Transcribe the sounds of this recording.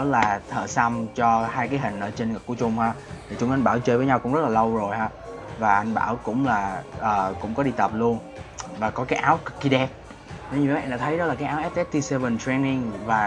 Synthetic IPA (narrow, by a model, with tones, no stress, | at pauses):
ɗɔ˨˦laː˨˩t̪ʰə̰ː˧˨sa˧mt͡ɕɔ˧haː˧jkaː˨˦jɦï˨˩ŋ̟ʔəː˧˩t͡ɕe˧nŋ˨˩k̚ku˧˩ət͡ɕʊ˧ŋ͡mhaː˧˥ | t̪ʰi˨˩t͡ɕʊ˨˦ŋ͡mʔa˧ŋɓaː˧˩wt͡ɕəː˧jvəː˨˦jɲa˧wkʊ̰˧˥ŋ͡mzə˦˥t̚laː˨lə˧wzo˨˩jhaː˧˦vaː˨˩ʔa˧jŋɓa̰ː˧˩wkʊ̰˧˥ŋ͡mlaː˨˩ʔəː˨˩kʊ̰˧˥ŋ͡mkɔ˨˦ɗi˧t̪ə˨˩p̚lu˧ən | vaː˨˩kɔ˨˦kaː˨˦jʔaː˨˦wkkːi˧ɗɛ˨˦˥p̚ | t̪ʰə˨˦ɲḭ˧˨˦ɗa̰ː˧˥t̪ʰə˨˦jɗɔ˨˦laː˨˩kaː˨˦jʔːwʔɛ˦˥p̚ʔɛ˦˥p̚t̪i˧sɛ˧və˨˩ntɹe˧jni˧ŋvaː˨˩